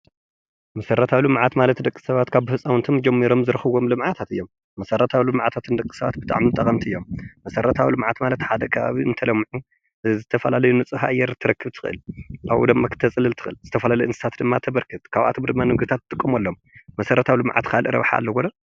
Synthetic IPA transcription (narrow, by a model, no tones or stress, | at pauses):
mɐsɐɾɐt̪ʰawlɨmʕat̪malɐt̪d̪ɐkʼːi̥sɐβat̪kʰaβbɨfɨsʼawnt̪ʰomd͡ʒɛmːiɾo̞mzɨɾɨxɨβo̞mlɨmʕat̪ʰat̪ɨjːo̞mːɐsɐrɐt̪ʰawlɨmʕat̪ʰat̪ʰɨnd̪ɐkʼːi̥sɐβa̰t̪̚bɨt̪ʼa̰ʕmit̪ʼɐkʼɐmt̪ʰiɨjːo̞mːɐsɐɾɐt̪ʰawlɨmʕat̪malɐt̪ħad̪ɐkʰɐβa̰βiʔɨnt̪ʰɐlɐmːʕu | zɨt̪ʰɐfɐlalɐjunɨt͡sʼɨhaʔjːɛɾt̪ʰːɨɾɐkʰːɨβt̪ʰɨ̥xɨʔɨ̰lʔaβʔṵd̪ɨmːakʰɨ̥t̪ʰɐt͡sʼɨlɨlt̪ʰɨ̥xʔɨlzɨt̪ʰɐfɐlalɐjʔɨnsɨ̥t̪ʰat̪d̪ɨmːat̪ʰɐβɐɾkʰɨt̪kʰaβʔa̰t̪ʰomd̪ɨmːanɨɡt̪ʰat̪̚ːt̪ʼɨkʼːɨmolːom | mɐsɐɾɐt̪ʰawlɨmʕa̰t̪kʰalʔɨɾɐ̰βħa̰lːɐɡonɐ